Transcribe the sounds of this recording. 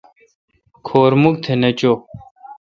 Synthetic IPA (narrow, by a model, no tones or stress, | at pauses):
kʰoːɾmuk̚t̪ʰenɐt͡ɕoː